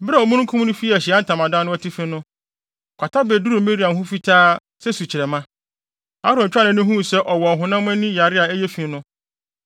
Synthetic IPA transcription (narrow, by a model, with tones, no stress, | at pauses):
ba˨ɔ˨mũ˦ŋ̩˦kʰũ˦mnʊ̃˦fi˦˨æ˨ɕi˨a˦n̩˦tʰã˨mã˨dã˦nʊ̃˦ɔ˦tʰi˦fĩ˦nʊ̃˦˨ | kʷʰa˨tʰa˦bɛ˨du˦ɾu˨˦mẽ˦ɾi˨˦a˨n˨ɦʊ̃˦fi˦tʰaː˦ | sɛ˦su˨t͡ɕʰɪ˨ɾɛ˨mã˦ | a˦ɾɔ̃˨t͡ɕᶣa˦nɪ̃˨nʊ̃˦ɦũ˦˨sɛ˦ʔɔ˨wɔ˨ɦʊ̃˨nã˦m˦ɛ̃˦nĩ˦ja˨ɾɪ˦a˨ɛ˦jɛ˦fĩ˨n˦nʊ̃˦